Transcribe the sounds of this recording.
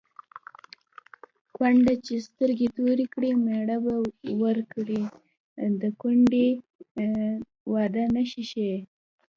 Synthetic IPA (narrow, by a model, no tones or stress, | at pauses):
kwaɳɖat͡ʃest̪əɾɡet̪oɾikɽimeɽabawəɾkɽi | d̪əkuɳɖe | wɑd̪anaʃiʃe